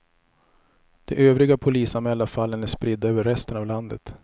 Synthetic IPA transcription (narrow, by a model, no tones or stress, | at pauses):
d̪̥ɛʔøːvɾɪɡapʰʊliːsamɛːlːafalːənæʂpɾɪd̪ːaøːvəɾːɛst̪ənavland̪ə̰t̪